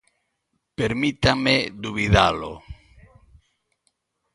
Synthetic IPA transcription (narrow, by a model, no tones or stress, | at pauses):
peɾmit̪amed̪uβiðalo̰